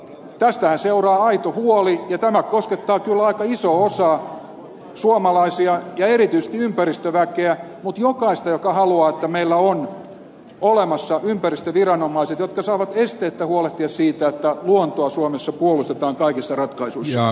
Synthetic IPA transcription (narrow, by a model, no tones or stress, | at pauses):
t̪æst̪æhænseurɑːɑit̪ohuolijɑt̪æmækkosket̪ːɑːkylɑikɑisoosɑ | suomɑlɑisiɑjɑerit̪yise̥st̪iympærist̪øʋækeæ | mut̪jokɑist̪ɑjokɑhɑluɑːet̪ːæmeilːæon | olemɑsːɑympærist̪øʋirɑnomˑɑiset̪jot̪kɑsɑːʋɑt̪est̪eːt̪ːæhuoleht̪iɑssiːt̪æet̪ːæluont̪oɑsuomesːɑpuolust̪et̪ɑːŋkɑikisːɑrɑt̪kɑisuissːɑ